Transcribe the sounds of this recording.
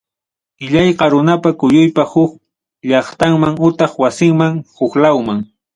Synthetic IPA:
ɪʎajqɑɾʊnapakʊjʊjpahʊk̚ | ʎɑχt̪aŋmaŋʊt̪ɑχwasɪŋmaŋhʊklawmaŋ

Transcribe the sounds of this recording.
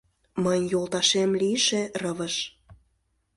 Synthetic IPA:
məjjolt̪ɑʃemliʃerəβə̆ʃ

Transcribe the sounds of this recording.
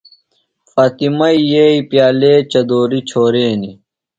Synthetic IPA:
faːt̪imɐijeipjaːleːt͡ɕɐd̪oːɾit͡ɕʰoːɾeːni

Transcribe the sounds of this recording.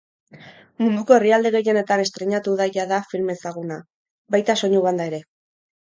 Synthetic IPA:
mund̪uko̞e̞riald̪e̞ɣe̞je̞ne̞t̪ane̞st̪ɾe̞ɲat̪uðajaðafilme̞saɣ̞una | bajt̪aso̞ɲuβand̪ae̞ɾe̞

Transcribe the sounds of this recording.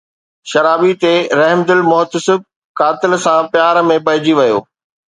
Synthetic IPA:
ʃɐɾaːbit̪eɾɐɦmd̪ɪlmʊɦt̪əsɪb̚ | kaːt̪ɪlsãpɪjaːɾmẽp̬ɐɦɪd͡ʑiʋɐjo̰ː

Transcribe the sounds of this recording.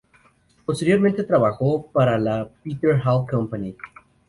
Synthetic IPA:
post̪eɾjoɾmẽnt̪et̪ɾaβaxopaɾalapit̪əɹɦalkampani

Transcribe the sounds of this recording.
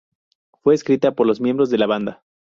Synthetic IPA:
fwe̞ːskɾit̪apo̞ɾlo̞zmje̞mbɾo̞zðe̞laβand̪a

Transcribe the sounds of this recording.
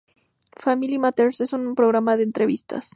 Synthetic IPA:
familimat̪eɾse̞sunpɾo̞ɣɾamaðeːnt̪ɾe̞β̞ist̪ʰa̰s

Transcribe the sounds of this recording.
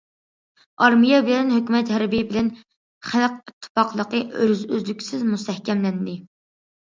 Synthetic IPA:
ɑɾmijɛbɪlɛnɦøkʲymɛt̪hɛɾbijbɪlɛn | χælq̚it̪ʰːɪ̥fɑqlˠəqəʔøɾzøzlykʲʰsɪzmust̪ʰɛhkʲɛmlɛnd̪ɪ

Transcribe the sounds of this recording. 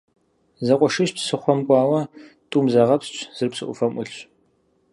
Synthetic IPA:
zɐqʷʼɔʂɪɕpsɨχʷɔmkʷʼɑːwɐ | tʼuːmzɐʁɐpst͡ʃʰʼz̥ɨrpsɨ̰ʔʷʊ̰fɐmʔʷʊɬɕ

